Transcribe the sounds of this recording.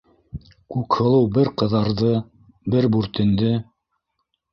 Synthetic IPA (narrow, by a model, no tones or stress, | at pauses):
kʉkhɤ̆lˠɤwbɘɾqɤ̆ðɑɾðɤ | bɘɾbʉɾt̪ɘ̆nd̪ɘ